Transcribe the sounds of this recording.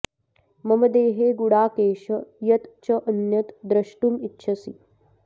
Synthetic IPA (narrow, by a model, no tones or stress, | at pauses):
mɐməd̪eːɦeɡuɽaːkeːɕəjɐt̪t͡ɕɐʔənjɐt̪d̪ɾɐʃʈuːmitːɕʰɐsḭ